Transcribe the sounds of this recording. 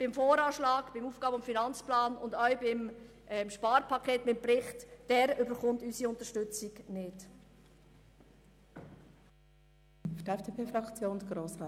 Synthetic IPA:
b̥ɪmfoːɾɑːʃlɑːɡb̥ɪmuːfɡ̥ɑːbəʊmfinɑnt͡splɑːnʊndœɥbɪm | ɛmʃpɑːɾpʰɑkʰeːtmɪpɾɪχtd̥ɛːɾʏbəχʊntysiʊnt̪əʃtʏt͡sɪɡnɪd | ftɛfd̥eːpʰeːfɾɑkt͡sjoːndɡɾoːsʁa

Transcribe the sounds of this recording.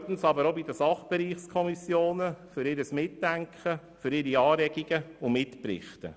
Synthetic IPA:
t̪n̩sɑbəɾobid̪əsɑχb̥ɛɾiːχskʰɔmisjoːnəfʏɾɪɾəsmɪtːæŋkχə | fʏɾɪɾiɑːɾɛɡiɡ̥əʊmɪtpɾɪ̰χtə̰

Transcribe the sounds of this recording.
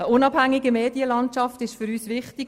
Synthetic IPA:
əʔʊnɑbhæŋːiɡəmeːdiəlɑntt͡ʃɑftɪʃfʏɾyːsʋɪχtik

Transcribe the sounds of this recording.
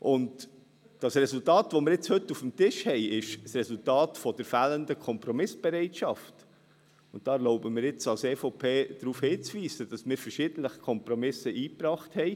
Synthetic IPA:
ʔʊnd | d̥ɑsrɛsultɑːtʋomɪɾɪt͡shɵtːufm̩tɪʃhɛɪɪʃsrɛsultɑːtfɔd̥əɾfæːləndəkʰɔmpɾɔmɪsb̥ɛɾɛɪtʃɑft | ʊnt̚d̥ɑːɛɾlɔʊbəmɪːɾɪt͡sɑlseːfopʰeːd̥ɾuːfhɪːt͡sʋiːsəd̥ɑsmɪːɾfəɾʃɪdənləχkʰɔmpɾɔmɪsəʔiːpɾɑːχthɛɪ

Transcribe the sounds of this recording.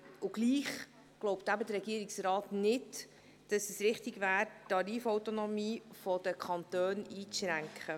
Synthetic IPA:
ʊɡ̥liːχ | ɡ̥loʊptæbəd̪əɾɛɡiəɾɪksrɑːtnɪd | d̥ɑsɛsɾɪχtɪɡvæːɾtːɑɾiːfɔwtonɔmiːfɔd̥əkʰɑnt̪øːniːʃɾæŋkχə

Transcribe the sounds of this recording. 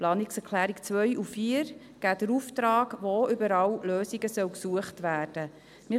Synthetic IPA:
plɑːniksɛkʰlæːɾikt͡sʋœʏʔufiːɾ | ɡ̥æːd̥əɾuftɾɑːɡʋoʔʏbəɾɑwløːsiɡəsœwksuəχtʋæːrd̥ə | mɪ

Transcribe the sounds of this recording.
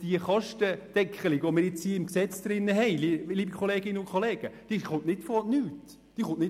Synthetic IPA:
d̥iəχɑʃtəd̥ɛkχəlɪɡʋomɪɾjɪt͡shiːəɪmksɛt͡sd̪̥ɾɪnːəɦɛɪliliːbikʰχoleːɡɪnəʊnkʰχɔleːɡ̥əd̥iːχʊntnɪtfɔnyːt | d̥iːəχʊ̃ntnɪ

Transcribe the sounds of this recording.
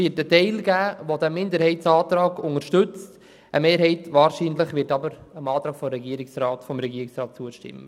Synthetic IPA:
ɪːtətɛɪlɡæːʋodæmːɪndəɾhɛɪtsɑːtɾɑːɡʊŋəɾʃtɵt͡st | ʔə̰meːɾɦɛɪtʋɑːɾʃiːnləχʋɪːtɑbəɾəmɑːtɾɑːkfɔɾɛɡiəɾɪksɾɑːtfɔmɾɛɡiəɾɪksɾɑːt̚t͡suəʃtɪ̰mːə

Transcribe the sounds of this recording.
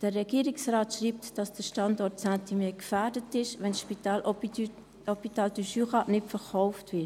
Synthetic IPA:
d̥əːɛɡ̥iːəɾɪksraːtʃriːptd̥ɑsd̥əʃtɑndɔɾtsæntʰimɛːkfɛːɾdətɪʃʋɛnsʃpitaːl | ɔpitɑːldyʃyχɑnɪtfəɾkɔʊftvɪt

